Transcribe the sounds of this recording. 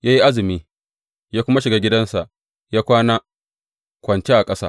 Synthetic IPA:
jaː˦ji˦ʔa˦zɪ˨miː˦ | jaː˦kʷʊ˦ma˦ʃɪ˨ɡaː˦ɡʲɪ˦dɐ˦nsa˨ʔ | jaː˦kʷaː˦naː˦ | kʷɐ˨nt͡ʃe˦ʔa˨kʼɐ˦sa̰ː˦

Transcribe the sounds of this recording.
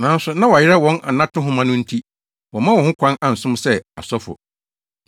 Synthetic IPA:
nã˨˦n˦sʊ˦nã˦wa˨ɪ˦ɾɛ˦wɔ̃˦nʔa̰˨nã˦tʰʊ̃˦ɦʊ̃˦mã˦nʊ̃˦n̩˦tʰi˦ | wɔ̃˨mã˦wɔ̃˨hʊ̃˦kʷʰã˦nã˨n̩˨sʊ̃˦msɛ˦a̰˨sɔ˦fʊ̰˨

